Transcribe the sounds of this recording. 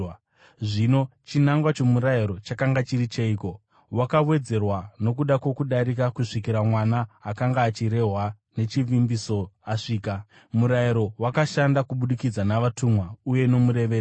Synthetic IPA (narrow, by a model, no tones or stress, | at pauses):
ʐino̞t͡ʃinaŋɡwat͡ʃo̞muɾaiɾo̞t͡ʃakaŋɡat͡ʃirit͡ʃeiːko̞ | wakawe̞d͡ze̞rwano̞kuɗakwo̞kuɗaɾikakuʂikiɾamwanaːkaŋɡaːt͡ʃiɾe̞ɦwa | ne̞t͡ʃiʋimbiso̞aʂiːka | muɾaiɾo̞wakaʃandakuɓuɗikid͡zanaʋatumwauje̞no̞muɾe̞ʋeːr